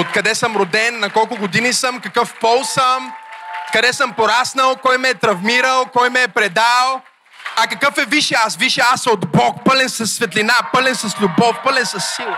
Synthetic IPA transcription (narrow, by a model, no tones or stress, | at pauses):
ot̪̚kɐd̪ɛsəmɾod̪ɛnːɐkɔlˠkʊɡʊd̪inisəmkɐkəfpɔlˠsəmkɐd̪ɛsəmpoɾasnəlˠkɔjmɛɛt̪ɾɐvmiɾəlˠkɔjmɛːpɾɛd̪alˠ | ɐkɐkɤfɛviʃɛasviʃɛasod̪bɔk̚pəlɛnsɐsːvɛt̪linapɤlɛnsɐslʲubɔfpəlɛnsɐsːilˠ